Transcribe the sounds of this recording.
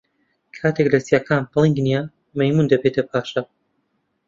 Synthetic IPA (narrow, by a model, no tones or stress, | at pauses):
kʰaːt̪ʰeklɐsijaːkʰaːnplˠiŋɡnija | mɐjmuːnd̪ɐbeːt̪ʰɐp̚ʰaːʃɐ